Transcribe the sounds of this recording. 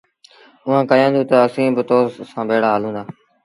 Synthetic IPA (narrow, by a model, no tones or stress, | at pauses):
ʊɦãːkəjãːnd̪ũːt̪əəsĩːbɪt̪oːzsãːbeːɽaːɦaːlũːnd̪aː